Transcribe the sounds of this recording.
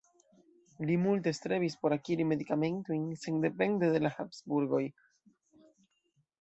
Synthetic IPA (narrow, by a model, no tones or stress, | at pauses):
limulte̞st̪ɾe̞βispo̞ɾakilime̞d̪ikame̞nt̪ujnsend̪e̞pe̞nd̪e̞ðe̞lahapsbuɾɡo̞j